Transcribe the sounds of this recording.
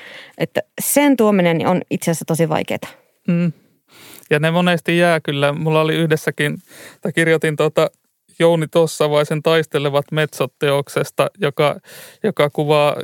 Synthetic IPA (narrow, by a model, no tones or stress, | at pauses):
ʔet̪ːæsent̪uominenːḭonit̪seæsːæt̪osiʋɑ̰ikḛːt̪ɑ̥ | m̩ː | jɑnemonest̪ijjæːkylːæmulːɑoliyhdesːækint̪ækirjot̪int̪uot̪ɑ | jounit̪osːɑʋɑisent̪ɑist̪eleʋɑt̪met̪sot̪ːeoksest̪ɑjokɑjokɑkuʋɑː